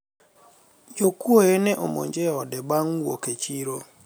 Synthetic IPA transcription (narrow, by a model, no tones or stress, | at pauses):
d͡ʒokuojenɛʔomo̰ɲd͡ʒɛɔdɛbaŋwo̰ket͡ʃiɾo